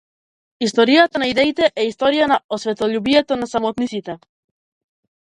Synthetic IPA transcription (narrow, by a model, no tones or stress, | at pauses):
ist̪o̞ɾiat̪onaiðejt̪eʔeist̪oɾianaosβet̪oʎuβiat̪onasamot̪nisit̪e